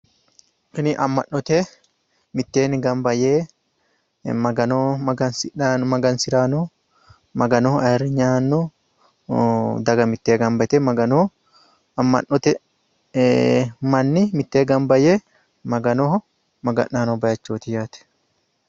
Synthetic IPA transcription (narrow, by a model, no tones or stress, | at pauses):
kɪnɪʔɐmːɐnːɔt̪e | mɪt̪ːe̞ːnɪɡɐmbɐjeː | mɐɡɐnoɐɡɐnsmɐɡɐnsɪɾaːnɔ | mɐɡɐnɔhɐrɪɲaːnːɔ | d̪ɐɡɐmɪt̪ːeːɡɐmbɐt̪ɛmɐɡɐno | ɐmːɐ̰ʔːɔt̪ɛ | mɐnːɪmɪt̪ːeːɡɐmbɐjeː | mɐɡɐnɔɦɔ | mɐɡɐ̰ʔːaːnɔbɐjɐt͡ʃːoːt̪ɪjaːt̪ɛ̥